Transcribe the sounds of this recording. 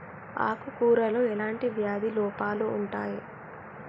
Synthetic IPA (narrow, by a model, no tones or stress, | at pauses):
a̰ːkukuːɾɐloːɛlaːɳʈiʋjaːd̪ʱilɔːpaːluːɳʈaːji